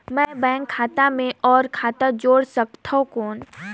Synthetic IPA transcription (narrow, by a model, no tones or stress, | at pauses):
mɛ̃ːbɛ̃ːŋkʰːaːt̪amẽʔɔːɾkʰaːt̪əd͡ʒoːɽsəkt̪ʰaɦũkoːn